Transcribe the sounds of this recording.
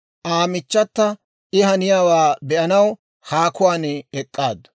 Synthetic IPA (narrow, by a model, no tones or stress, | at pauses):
ʔaːmɪt͡ʃːɐt̪ːɐ | ʔɪhɐnɪjaːwaːbɛʔɐnɐw | haːkʊwaːnɛkʼːaːd̪ɐ